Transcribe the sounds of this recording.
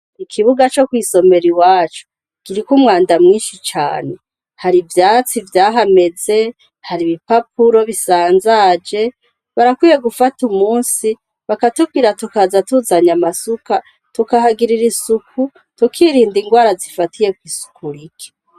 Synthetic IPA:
ikʰiβuɡat͡ʃo̞kwiːso̞me̞ɾiwaːt͡ʃo̥ | kiɾikumŋaːndamŋiːnʃit͡ʃa̰ːne̞ | haɾivjaːt͡sivjaːɦame̞ze̞ | haɾiβipap̚uɾo̞βisaːnzad͡ʒe̞ | βaɾakwiːje̞ɡufatumuːnsi | βakatub̚ɡiɾatukazatuzaɲamasuka | tukahaɡiɾiɾisukʰu | tukʰiɾiːndiŋɡwaːɾazifatʰije̞kwiːsu̥kuɾikʰe̥

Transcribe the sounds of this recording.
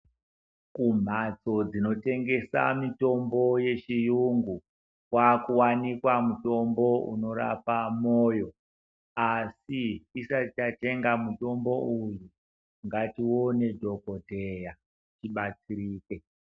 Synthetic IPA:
kum̤at͡so̞d͡zino̞te̞ŋɡe̞sa̰mito̞mbo̞je̞t͡ʃijuŋɡu | kwakuwanikwamuto̞mbo̞ṵno̞ɾa̰pamoːjo̞ | asiːsat͡ʃate̞ŋɡamuto̞mbo̞uju | ŋɡatiwo̞ne̞dʱo̞ko̞dʱeja | tiɓat͡siɾiːke̞

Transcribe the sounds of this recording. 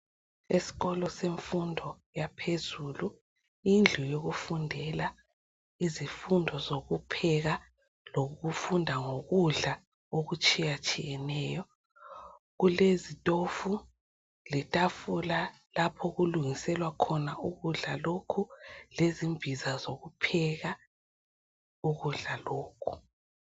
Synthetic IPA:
esi̥ɣɔlɔseɱfundʱɔ | japʰezuːlu | ind͡ɮʱujoɣufundʱɛla | izifundʱɔzoɣupʰɛɣa | loɣɣufundʱaŋoɣuɮa | oɣut͡ʃʼijat͡ʃʼijɛnɛːjɔ | ɣulezitʼofu | lɛtʼafula | lapʰɔɣuluŋisɛlwakʰɔnauɣuɮalokʰulezimvʱizazoɣupʰɛɣa | uɣuɮaloːkʰu̥

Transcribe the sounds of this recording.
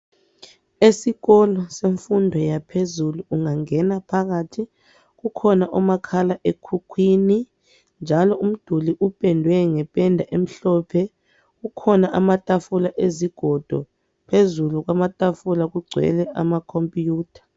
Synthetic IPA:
esiɣɔlɔseɱfundʱɔjapʰezuluːŋaŋɛnapʰak̬atʰi | k̬ukʰɔnaʔɔmakʰalaʔekʰukʰwini | nd͡ʒʱalɔʔum̩d̥ʱuliʔupʼɛndʱwɛŋɛpʼɛndʱaʔem̩ɬɔpʰɛ | kukʰɔnaʔamatʼafulaʔeziɡ̥ʱɔd̥ʱɔ̰ | pʰezuluk̬wamatʼafulak̬uɡ͡ǀʱwɛ̰lɛʔa̰makʰompʼijuːtʰḁ

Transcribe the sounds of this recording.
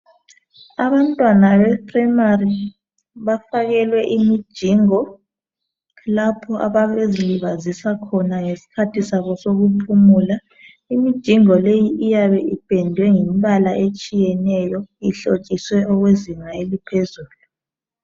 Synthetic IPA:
aβantʼwanaβɛpʰʼramari | βafaɣɛlwɛʔimid̥ʒ̥ʱiːŋɔ | lapʰɔʔaβaβeziliβazisakʰɔnaŋesi̥kʰatʰisaβɔsoɣupʰumuːla | imid̥ʒ̥ʱiŋɔlejiʔijaβɛʔib̥ʱɛndʱwɛŋimβalaʔet͡ʃʼijɛnɛjɔiɬo̥t͡ʃʼiswɛʔɔɣweziŋaelipʰezuːlu

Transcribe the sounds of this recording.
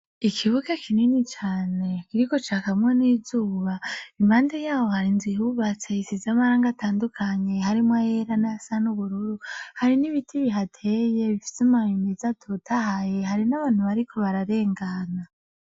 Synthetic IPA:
ikʰiβuɡekʰininit͡ʃaːne̞kiɾiko̞t͡ʃakamŋe̞niːzuːβaimaːndejaːwo̞haɾinzihuβat͡se̞isizamaɾaːŋɡatʰaːndukʰaɲe̞haɾimwaje̞ɾanaasanuβuɾuɾuhaɾiniβitʰiβiɦatʰe̞je̞βifi̥samajimizatʰotʰahaje̞ɦaɾinaβaːnhuβaɾikʰo̞βaɾaɾe̞ːŋɡana

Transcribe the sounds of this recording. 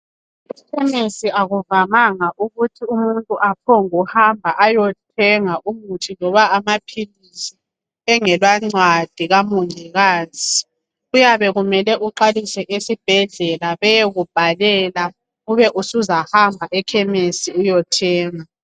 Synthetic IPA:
ɛkʰɛmesiʔaɣuvamaŋaʔuɣutʰiumuntʼuʔapʰoŋuhambʱaʔajɔtʰɛŋaʔumutʰilɔβaːmapʰilisi | ɛŋɛlwaŋ͡ǀwad̥ʱiɣamuŋiɣaːzi | ujaβɛɣumɛlɛʔuǃalisɛʔesib̥ʱɛɮɛlaβɛjeɣub̥ʱalɛla | ɣuβɛʔusuzahambʱaʔɛkʰɛmesiujɔtʰɛːŋa

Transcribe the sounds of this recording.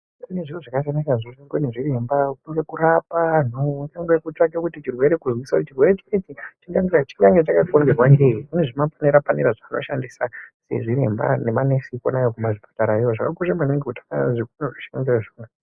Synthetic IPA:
ineʐiwoʐakasenisaʐisiŋɡeneʐire̞mbakuŋɡe̞kuɾapanoŋɡaŋɡwekut͡ʂaɡakutit͡ʃirwe̞ɾe̞kuzwisaut͡ʃirwe̞ɾet͡ʃiketit͡ʃiŋɡaŋɡt͡ʃiŋɡaŋɡet͡ʃakaoŋɡerwanɡeiune̞ʐimafaniɾapaniɾaʐano̞̰ʃandisasḛʐiɾe̞̰mba̰nemanesiko̰najokumaʐipḁtaɾaijoʐakakurembaneŋɡekutḁka̰ikunoʐiʃaŋɡaʐona

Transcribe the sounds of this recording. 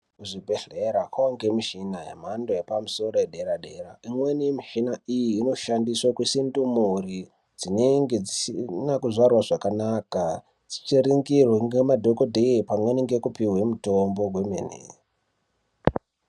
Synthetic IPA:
kuʐibʱeɮeɾakaaŋɡemiʃinajḛm̤ando̞jepamuso̞ro̞jeɗe̞ɾaɗe̞ɾaimwenimiʃinaijiːno̞ʃandiswakwisindumuɾi | d͡zineŋɡe̞d͡zisinakuʐarwaʐakanaka | d͡zit͡ʃiriŋɡirweŋɡemadʱo̞kodʱeipamweniŋɡe̞kupiɦwe̞mutombo̞ɡʱwemḛnḛ

